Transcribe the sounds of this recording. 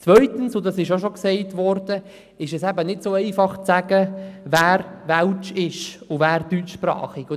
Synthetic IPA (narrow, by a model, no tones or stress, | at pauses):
t͡svœʏt̪ənsʊdɑsɪʃoʃoksɛɪtvɔɾd̥ə | ɪʃɛsɛbənɪtsoɛɪfɑχt͡sæɡəvæːɾvælt͡ʃɪʃʊvæːɾdyt͡ʃʃprɑ̰ːχiɡʊ